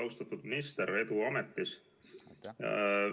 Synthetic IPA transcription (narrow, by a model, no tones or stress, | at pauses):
ɑwst̪ɑt̪ːˑud̪̥mist̪eɾe̞t̪uɑmet̪ːis